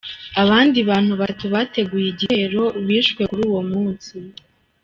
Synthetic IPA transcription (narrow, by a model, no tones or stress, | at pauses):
aβaːndiβaːn̥huβatuβate̞ɡujiɟiheɾo̞βiːʃkwe̞kuɾuːwo̞muːnsi